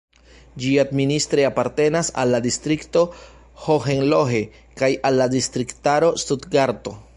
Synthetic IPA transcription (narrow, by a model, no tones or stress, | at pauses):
d͡ʒiadministɾeapaɾte̞nasa̰lːadistɾikto̞ | hoɦenloɦe̞ | kajalːadistɾiktaɾo̞studɡaɾto̞